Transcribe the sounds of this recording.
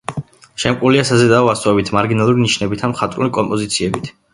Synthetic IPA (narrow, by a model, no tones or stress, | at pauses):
ʃɛmkʼuliasazɛd̪aast̪ʼɛbit̪ʰmaɾɡinalˠuɾiniʃnɛbit̪ʰamχat̪ʼɾulikʼɔmpʼɔzit̪sʰiɛbit̪ʰ